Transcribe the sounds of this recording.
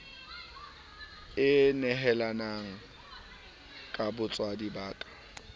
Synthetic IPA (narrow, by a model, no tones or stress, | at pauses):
ɪnɛɦɛlanaŋ̩ | kʼabʊt͡sʼwadibaːtʼḁ